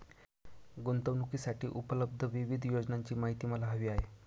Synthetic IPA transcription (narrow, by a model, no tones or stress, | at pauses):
ɡont̪əʋnukiːsaʈiːʔupələb̚d̪ʱəʋiʋid̪ʱjod͡ʑnaɲt͡ɕiːmaɦit̪iːməlaɦəʋiːaɦe